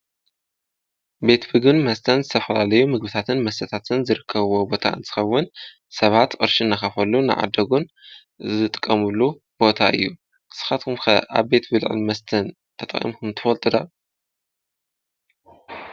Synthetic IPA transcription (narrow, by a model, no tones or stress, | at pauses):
be̞t̪bɨɡbɨnmɐst̪ʰɐnzɨt̪ʰɐfɐlalɐjumɨɡ̚bɨt̪ʰat̪ʰɨnmɐst̪ʰɐt̪ʰat̪ʰɨnzɨɾɨkʰːɐβwobo̞t̪ʰa̰ʔɨ̰nt̪ʰɨ̥xɐwːʊn | sɐβat̪kʼɨ̰ɾʃinːɐxɐfɐlːunɨʕa̰d̪ɐɡun | zɨt̪ʼɨ̥kʼːɐmulːu | b̥o̞t̪ʰaʔɨ̰jːu | ʔɨ̥sɨ̥xat̪kʰumkʰɐʔa̰βbe̞t̪bɨlʕɨ̰nmɐst̪ʰɐn | t̪ʰɐt̪ʼɐ̰χʼḭmkumt̪ʰɨfɐlt̪ʼɨd̪a